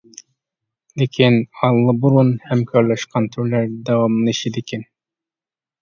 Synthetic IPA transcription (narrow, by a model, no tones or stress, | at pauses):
d̪ekʲʰenɑlˠːɯbuɾunhæmkʲʰøɾlɛʃqɑnt̪ʰyɾlæɾd̪ɑwɑmniʃid̪ekʰʲen